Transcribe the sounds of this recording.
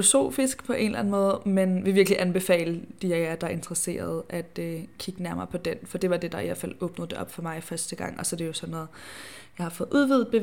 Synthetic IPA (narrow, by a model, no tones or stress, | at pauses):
o̝so̝̰ːfisɡ̥pʰɒ̽ʔe̝nlæn̩mɔ̽ːð̞̩ˠmenʋe̝ʋiɐɡ̥liʔænb̥e̝fɛ̰ːləd̥ijææɐd̥ɑ̈e̝nd̥ʁɐse̝̰ːɐð̞ˠʔæd̥økʰiɡ̥ənæɐmɐ̰pʰɒ̽d̥enfɒ̽d̥e̝ʋɑ̈d̥e̝d̥ɑ̈ḭæ̰l̰fæl̰ɔ̽ːb̥nəðˠd̥e̝ʔɒ̽b̥fɒ̽mɑ̈ɪfɶɐsd̥əɡ̥ɑ̈ŋ̰ɒ̽sɒ̽d̥e̝jo̝sɒ̽nːɔːð̩ˠ | jɑ̈ɪhɑ̈fɔ̽ːðˠʔuðˠʋið̰̩ˠb̥e̝